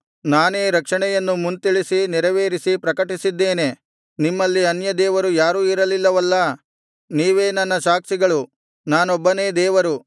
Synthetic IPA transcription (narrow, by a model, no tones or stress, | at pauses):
naːne̞ːɾɐkʂɐɳɛjɐnːumunt̪iɭisiniɾɐʋeːɾisipɾɐkɐʈisid̪ːe̞ːne̞ | nimːɐlːiɐnjɐd̪ɛːʋɐɾujaːɾuːiɾɐlilːɐʋɐlːɐ | niːʋe̞ːnɐnːɐʃaːksiɡɐɭu | naːnɔbːɐne̞ːd̪ɛːʋɐɾu